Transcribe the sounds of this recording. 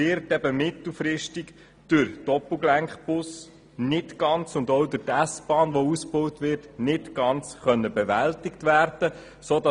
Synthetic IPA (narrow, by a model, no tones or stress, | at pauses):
ɪɾtɛbəmɪtl̩fɾɪʃtɪk | d̥ʉɾd̥ɔpl̩ˠɡlæŋχbʊs | nɪtɡ̥ɑnt͡sʊndɔwdʊtæsb̥ɑːnʋousb̥ɔʊtʋɪɾtnɪtɡ̥ɑnt͡sχœnːəbɛʋæltɪktʋæːrd̥ə | soːdɑ